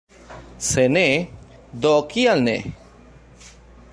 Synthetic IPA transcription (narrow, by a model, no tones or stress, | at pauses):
sene | d̪ɔkijalnḛ